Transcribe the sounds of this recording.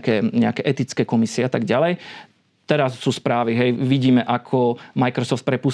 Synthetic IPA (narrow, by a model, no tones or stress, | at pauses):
kɛːɲɛakɛːʔɛt̪it͡skɛːkɔmisiɛat̪aɡɟalɛj | t̪ɛɾasːuːspɾaːʋiɦɛjʋiɟiːmɛʔakʰɔmajkɾɔsɔft̪̚pɾɛpus